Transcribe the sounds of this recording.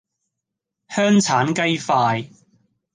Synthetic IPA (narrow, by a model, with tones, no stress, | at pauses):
hœː˥ŋt͡sʰaː˨˥nkɐ˥jfaː˧j